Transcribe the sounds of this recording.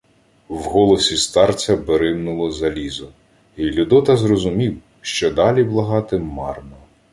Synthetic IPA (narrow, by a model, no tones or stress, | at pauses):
wɦɔlˠɔsʲist̪ɑrt͡sʲɐbeɾɪmnʊlˠɔzɐlʲizʊ | ilʲʊd̪ɔt̪ɐzrɔzʊmʲiw | ʃt͡ʃɔd̪ɑlʲiblˠɐɦɑt̪ɪmɑrnɔ